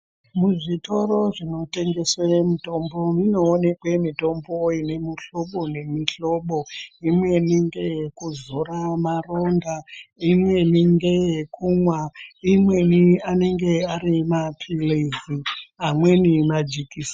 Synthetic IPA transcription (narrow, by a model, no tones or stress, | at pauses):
muʐito̞ɾo̞ʐino̞te̞ŋɡe̞swemuto̞mbo̞mino̞ːne̞kwe̞mito̞mbo̞ːjine̞miɬo̞ɓo̞ne̞miɬo̞ɓo̞imwe̞niŋɡe̞jekuzoramaro̞ndaimwe̞niŋɡejekumwaimwe̞niane̞ŋɡe̞aɾimapʰileziamwe̞nimad͡ʒikiːsa